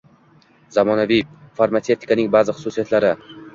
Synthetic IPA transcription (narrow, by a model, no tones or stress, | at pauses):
zamɒnavifaɾmat̪se̞ft̪ʰi̥kanɪŋbazɪχʊ̥susijat̪laɾɪ